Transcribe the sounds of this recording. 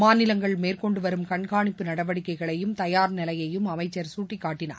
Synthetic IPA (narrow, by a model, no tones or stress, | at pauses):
maːnɪlɐŋɡɐɭmeːɾkɔɳɖɯʋɐɾɯmkɐɳɡaːɳɪpːɯnɐɽɐʋɐɽɪkːɐɪɣɐɭɐjɯmt̪ɐjaːɾnɪlɐjɐjɯmɐmɐɪt͡ʃːɐɾsuːʈːɪkːaːʈːɪna̰ːɾ